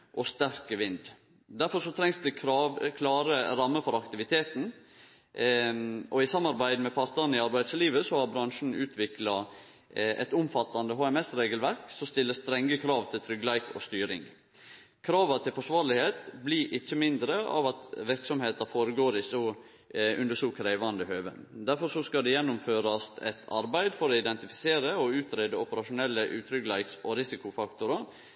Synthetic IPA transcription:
ʔɔst̪æɾkəʋɪnd̪ | d̪æɾfɔɾʂɔt̪ʰɾɛŋsd̪ʉɾɑkʰlɑːɾəɾɑmːəfɔɾɑkt̪ɪʋɪt̪ʰeːt̪n̩ | ʔɔɪsɑmːɑɾbæɪd̪mɛpʰɑɾt̪ɑɾnɪɑɾbæɪsliːʋəsɔhɑɾbɾɑŋʂn̩ʉːt̪ʰʋɪklɑ | ʔɛ̰t̪ʊmfɑt̪ːɑnd̪əɦoːɛmɛsɾeːɡəlʋæɾksɔst̪ɪlːəst̪ɾɛŋːəkʰɾɑːʋt̪ʰɪlt̪ʰɾʏɡlæɪkɔ̰st̪yːɾɪ̰ŋ | kʰɾɑːʋət̪ʰɪlfɔʂʋɑːɾlɪheːt̪bliʔɪçːəmɪnd̪ɾəʔɑ̰ʋɑt̪ʋɪɾksɔmheːt̪ɑfoːɾəɡoːɾɪsɔ | ʉnd̪əsɔkʰɾæɪʋɑnd̪əhøːʋə̰nd̪æɾfɔɾʂɔskɑd̪ɛjɛnːʊmføːɾɑst̪ɛ̰t̪ʰɑ̰ɾbæɪd̪fɔɾoːɪd̪ɛnt̪ɪfɪ̥seːɾəɔʉːt̪ʰɾeːd̪əɔpəɾɑʂʊnɛlːəʔʉːt̪ʰɾʏɡlɑɪksɔɾɪsɪkʊfɑkt̪ʊɾɑ

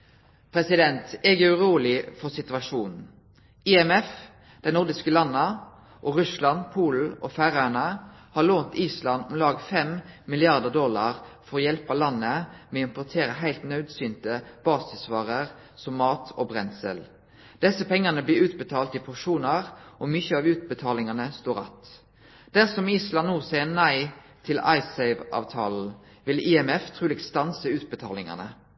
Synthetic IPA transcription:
pʰɾɛsɪd̪ɛnt̪ɛɡəʉʁuːlɪfɔʁsɪt̪ʉʋɑʂuːnn̩ | ɪɛmɛf | d̪̥ɛɪnʊʁd̪ɪskəlɑnːə | ʔoʁʉslɑnpʰuːl̩ʔɔfæʁænəhɑːloːnt̪iːslɑnɔmlɑːɡfɛmmɪlɪɑʁd̪əʁd̪ɔlɑ̰ʁfɔʁoːjɛlpɑlɑnːəmɛɪmpɔʁt̪ʰeːɾəɦæɪlt̪nœʉd̪syːnt̪əb̥ɑːsɪsʋɑːʁəʁ | sɔmːɑːt̪ʰoːbʁɛnsə̰l | d̪̥ɛsəpʰɛŋːənəblɪːʉːt̪̚bət̪ʰɑːlt̪ɪpʰʊʂuːnəʁʔɔmʏçəɑːʋʉːt̪̚bət̪ʰɑːlɪŋɑnəst̪oːʁɑ̰t̪ | d̪̥æʁsɔmiːslɑnnːuːʁsæɪənæɪ | t̪ʰɪlɑ̰ɪsæɪʋʔɑ̰ːʋt̪ʰɑːl̩ | ʋɪliːɛmɛft̪ʰʁʉːlɛɡst̪ɑnsəʉːt̪̚bət̪ʰɑ̰ːlɪŋə̰nə

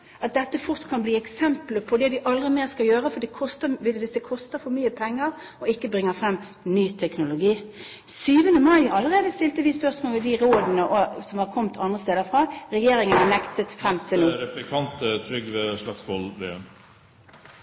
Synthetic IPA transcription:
ʔɑt̪̚d̪ɛt̪ːəfʊɾt̪kʰɑnbliːɛksɛmpləpʰɔd̪ɛd̪ɪʔɑld̪ʁɪmeːʁskɑljøːʁəfɔd̪ɛkʰɔst̪əʋɪʋɪsd̪ɛkʰɔst̪əɾfɔmyːəpʰɛŋːəʁ | ɔɪkːəbʁɪŋːəɾfɾɛmː | nyːt̪ʰɛknʊlʊɡiː | syːʋənd̪əmɑɪɑlːəʁeːd̪əst̪ɪlt̪əʋɪspœʁsmoːlʋɪd̪ɪɾoːd̪ənəʔɔsɔmhɑkʰɔmt̪ʰɑnd̪ʁəst̪eːd̪əɾfʁɑːɾɛjeːɾɪŋənɑnɛkt̪ət̪fʁɛmt̪ʰɪluːɾɛplɪkʰɑnt̪ət̪ʰɾʏɡʋɛʂlɑksʋɔlʋḛəm

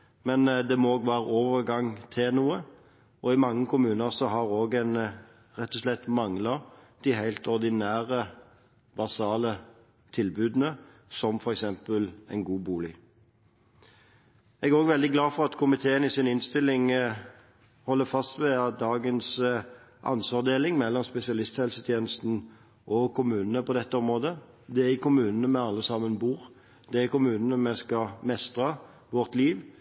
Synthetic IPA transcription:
mɛnd̪ɛmɔoːɡʋæːɾəoːʋəʁɡɑŋt̪ʰenuːə | ɔɪmɑŋːəkʰʊmʉːnəʁsɔɦɑɾoːɡɛɪn | ɾɛt̪ːɔslɛt̪ːmɑŋlɑ | d̪̥ɪɦæɪlt̪ɔʁd̪ɪnæːɾə | bɑsɑːlə | t̪ʰɪlbʉːd̪n̩ə | sɔmfɔɾɛksɛmpəlɛɪnɡuːbuːlɪ | ɛɡæʁoːɡʋɛld̪ɪɡlɑːfɔʁɑt̪kʰʊmɪt̪ʰeːənɪsɪnɪnst̪ɪlːɪŋ | hɔlːəfɑst̪ʋɛɑt̪̚d̪ɑːɡəns | ʔɑ̰nsʋɑʁd̪eːlɪŋmɛlːɔmspɛsɪɑlɪst̪hɛlsət̪ʰjeːnəst̪n̩ | ʔɔkʰʊmʉːnənəpɔd̪ɛt̪ːəɔmʁoːd̪ə | d̪ɛæʁɪkʊmʉːnənəmɛɑlːəsɑmːənbuːʁ | d̪ɛæʁɪkʊmʉːnənəmɛskɑmɛst̪ʁɑ | ʋɔʁt̪liːʋ

